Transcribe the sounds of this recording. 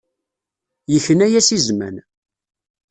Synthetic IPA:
jəçənæjæsizmæ̰n

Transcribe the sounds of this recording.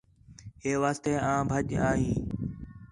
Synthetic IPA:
ɦeːʋaːst̪eːãːbʱəʄaːɦĩː

